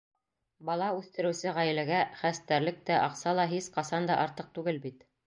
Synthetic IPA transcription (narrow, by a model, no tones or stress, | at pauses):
bɑlˠɑʉθt̪ɘ̆ɾɘ̆wsɘʁæjɘ̆læɡæχæst̪æɾlɘk̚t̪æʔɑqsɑlˠɑɦisqɑsɑnd̪ɑʔɑɾt̪ɤq̚t̪ʉɡɘlbit̪